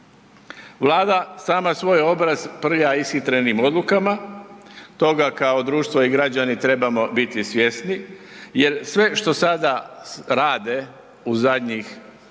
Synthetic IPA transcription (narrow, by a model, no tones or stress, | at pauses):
ʋlˠaːd̪asaːmasʋo̞jo̞bɾazpr̩ʎaisxit̪ɾenimo̞d̪lukama | t̪o̞ɡakao̞d̪ɾuːʃt̪ʋo̞iɡɾad͡ʑanit̪ɾe̞bamo̞bit̪isʋje̞snije̞ɾsʋe̞ʃt̪o̞sad̪aɾaːd̪e̞ | uzad̪ɲix